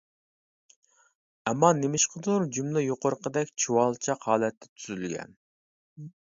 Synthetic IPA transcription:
ɛmːɑnemɪʃqʰəd̪uɾd͡ʒumlɪjoqʊɾəqʰəd̪ɛkʲt͡ʃʰuwɑlˠt͡ʃʰɑqhɑːlˠɛt̪ʰːɛ̥t̪ʰyzylɡʲɛ̰n

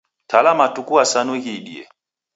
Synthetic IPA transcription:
tʰalamatukuasanuɣiɗiɛ̰

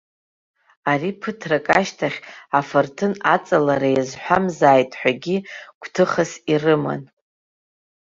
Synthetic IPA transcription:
aripʰɨtʰrakʼaʃtʰaχʲafɨrtʰɨnat͡sʼalaɾajazħʷᶣamzaːjtʼħʷᶣaɡʲiɡ̥ʷtʰɨχasirɨma̰n

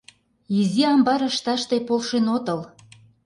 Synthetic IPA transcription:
iziɑmbɑɾə̆ʃt̪ɑʃt̪epolʃenot̪ɤl

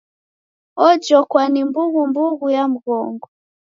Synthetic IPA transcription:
ɔd͡ʒɔkwanimbuɣumbuɣujam̩ɣɔŋɡɔ

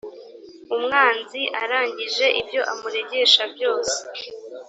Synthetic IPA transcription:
umŋaːnziʔaɾaːɲɟiʒe̞ʔibjo̞ʔamuɾe̞ɟe̞ʃabjo̞ːse̥

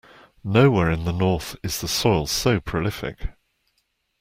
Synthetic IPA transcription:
nəʊwɛːɹɪ̃nðənɔˑθɪz̥ðəsɔɪlˠsəʊpʰɹ̥əlɪfɪ̰k

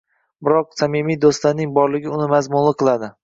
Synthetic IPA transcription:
bɪɾɒq̚samɪmijd̪ost̪laɾnɪŋbɒɾlɪɡʲɪʊnɪmazmʊnlˠɪqʰɨlˠad̪ɪ

